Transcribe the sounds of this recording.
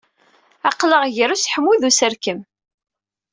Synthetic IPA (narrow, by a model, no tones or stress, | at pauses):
ɑqləʁʝəɾusħəmːuðusəɾkəm